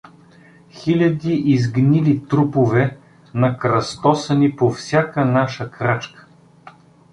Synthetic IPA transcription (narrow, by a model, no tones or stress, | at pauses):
xilʲɐd̪iʔizɡnilit̪ɾupovɛ | nɐkɾɐst̪ɔsənipofsʲjakənaʃəkɾat͡ʃkə̥